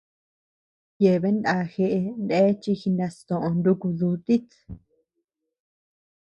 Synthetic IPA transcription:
je˨βe˦nd̪a˧˨xe˧ʔe˧nd̪e˦t͡ʃi˧xi˧nd̪a˧st̪õ˨ʔõ˧nd̪u˧ku˧ðu˧t̪i˦t̪

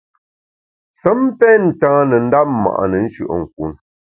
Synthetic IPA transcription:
sə˨˦m˦pɛː˦n̩˨tãː˦nə˨n̩˦da˦p̚mːa̰˨ʔnə˨n̩˦ʃʉ̰˨ʔə̰˨ŋ̩˨k̚u˨n

